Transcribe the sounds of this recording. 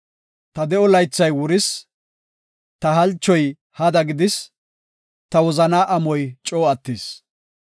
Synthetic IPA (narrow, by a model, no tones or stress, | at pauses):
t̪ɐd̪ɛɔlɐjt͡sːɐjwʊɾɪs | t̪ɐɦɐlt͡ʃːɔj | hɐd̪ɐɡɪd̪ɪs | t̪ɐwɔzɐnaːʔɐmɔjt͡ʃʼoːɐt̪ːiːs